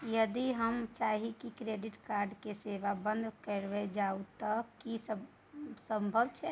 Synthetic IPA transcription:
jəd̪iɦəmt͡ʃaːɦikikɾeːɖɪʈkaːɾɖkeseːʋabə̃nd̪ʱkəɾʋed͡ʒaːut̪akis | sə̃mbʱəbt͡ʃʰɛ

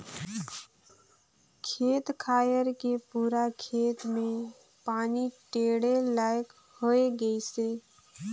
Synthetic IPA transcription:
kʰeːt̪kʰaːjəɾkepuːɾakʰeːt̪mẽ | paːniʈeːɽelaːjk | hoeɡəise

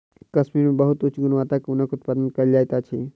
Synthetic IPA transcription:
kəsmiɾmebəɦut̪ut͡ʃʰɡunʋat̪akunəkut̪̚pad̪ənkəɾld͡ʒajt̪at͡ʃʰi

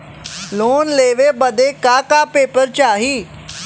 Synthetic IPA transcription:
loːnleːʋeːbəd̪eːkaːkaːpeːpəɾt͡ʃaːɦiː

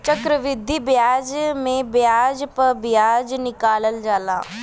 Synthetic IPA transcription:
t͡ʃəkɾəʋɪd̪ʱːibjaːd͡ʒmẽbjaːd͡ʒpɐɾbɪjaːd͡ʒnɪkaːləld͡ʒaːla̰ː

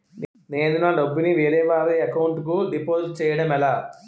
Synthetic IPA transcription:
n | neːnunaːɖɐbːiniʋeːɾɛːʋaːɾiːɐkɐwuɳʈk̬uɖipoːzt͡ʃɛːjɐɽɐmɛlaː

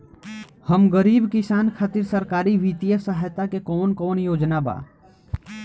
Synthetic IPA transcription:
həmɡəɾiːbkɪsaːnkʰaːt̪ɪɾsəɾkaːɾiʋit̪ijəsaɦjt̪akekɔːnkɔːnjoːd͡ʒnaba̰ː

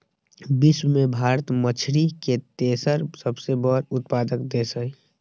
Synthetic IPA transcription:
biswmẽbʱaːɾət̪mət͡ʃʰɾiket̪eːsəɾsəbsebəɾʊt̪paːd̪əkd̪eːsəi

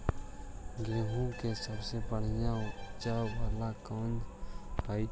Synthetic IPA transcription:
ɡeːɦũkesəbsepəɽ̤jãd͡ʒabʱəlakɔ̃nd͡ʒpaːi

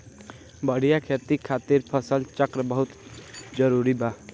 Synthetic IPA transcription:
bəɽ̤ijakʰet̪ikʰat̪iɾpʰəsəlt͡ʃəkɾəbəɦut̪d͡ʒəɾuɾiba

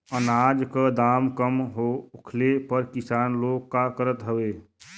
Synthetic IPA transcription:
ənaːd͡ʒkəd̪aːmkəmɦoʊkʰlepəɾkɪsaːnloːɡkːakəɾət̪ɦəʋeː

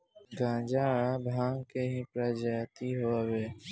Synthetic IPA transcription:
ɡãːd͡ʒaːɽãbʱãːŋɡkeɦĩːpɾaːd͡ʒat̪iɦoːaweː

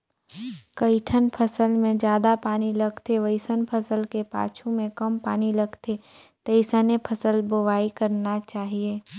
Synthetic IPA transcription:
kɐɪʈʰənpʰəsəlmẽd͡ʒjaːd̪apaːnilɐɡt̪eʋəɪsənpʰəsəlkepa̰ːt͡ʃʰũmẽkɐmpaːnilɐɡt̪e | t̪əɪsənepʰəsəlboʋaːikɐɾnat͡ʃaːɦieː

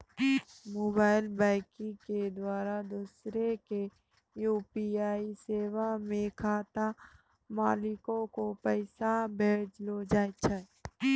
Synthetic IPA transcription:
moːbaːɪlbaːɪkɪ̃ked̪waːɾad̪uːsɾeke | juːpiaːiseːʋamẽkʰaːt̪a | maːlɪkõkopəɪsabʱeːd͡ʒlod͡ʒaːjt͡ʃʰa

